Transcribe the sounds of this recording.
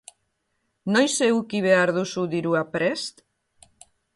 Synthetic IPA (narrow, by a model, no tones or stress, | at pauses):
nojsewkiβeaɾðusuðiɾuapɾɛst̪